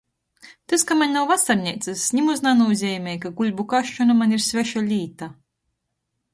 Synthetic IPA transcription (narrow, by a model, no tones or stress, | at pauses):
t̪askamaɲʲnawvasaɾnʲɛjt̪sasːʲɲʲimuznanuzʲɛːmʲɛjkaɡulʲbukaʃt͡ʃɔnamaniɾsʲvʲɛʃalʲiːt̪a